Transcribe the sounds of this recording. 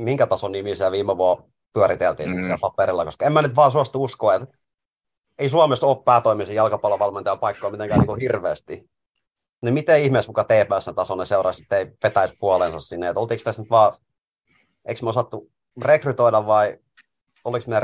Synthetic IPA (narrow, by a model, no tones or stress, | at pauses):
miŋkæt̪ɑsonimisiælʋiːmːeʋuɑ | pyæɾit̪elt̪ḭːnsit̪siælpɑpeɾilːɑkoskɑemmænyt̪ʋɑːsuɑst̪uuskoːet̪ | eisuɑmest̪oːppæːt̪oimisijɑlkɑpɑlɑʋɑlment̪ɑjɑpɑikːoimit̪eŋkæːniːŋkuhirʋeːst̪i | nimit̪eihmeˑsmukɑt̪eːpæːsnet̪ɑsonneseurɑ̰si̥t̪ːeiʋet̪æispuɑlensɑssinːeet̪olt̪iːkst̪æsnyt̪ʋɑː | ḛiksmiæsɑt̪ːu | rekryt̪oidɑʋʋɑi | oliksmiæ